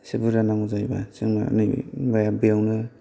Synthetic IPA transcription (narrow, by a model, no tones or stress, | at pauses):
sebɯɾanamuzajba̰sɯŋna̰nɯjbajabijawnɯ